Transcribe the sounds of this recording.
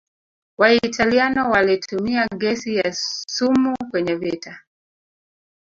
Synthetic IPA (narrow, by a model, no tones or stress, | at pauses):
waitalianɔwalitʰumiaɡɛsijasumukwɛɲɛvita